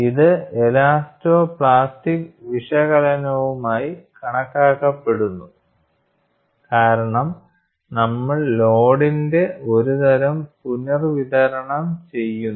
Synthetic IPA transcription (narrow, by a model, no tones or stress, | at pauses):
iðɨelaːstoːpɭaːstikʋiʂɐɣɐlɐnɐʋumaːjikɐɳɐkːaːkːɐpːe̞ɽunːu | kaːɾɐɳɐm | nɐmːɐɭlo̞ːɽinde̞o̞ɾuðɐɾɐmpunɐrʋiðɐɾɐɳɐmt͡ɕe̞jːunː